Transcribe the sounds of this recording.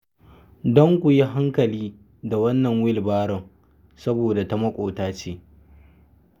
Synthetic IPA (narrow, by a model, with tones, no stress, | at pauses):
dɔ˦ŋkʷʊ˨ji˦ɦa˦ŋkɐ˨liː˦ | da˨wɐ˦nːɐ˨ŋwɪ˦lbaː˦ɽɔ˨ŋ | sɐ˦boː˨da˨ta˦mɐ˦kʷʼoː˨taː˦t͡ʃeː˦